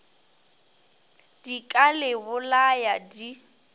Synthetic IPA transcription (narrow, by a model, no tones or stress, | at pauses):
d̥ikʼalɪbʊlajadi